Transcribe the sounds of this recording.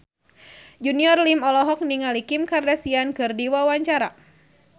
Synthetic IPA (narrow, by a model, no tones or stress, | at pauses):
d͡ʒuniɔrlimɔlɔɦɔk̚niŋalikimkardasiankɨrdiwawaɲt͡ʃaɾa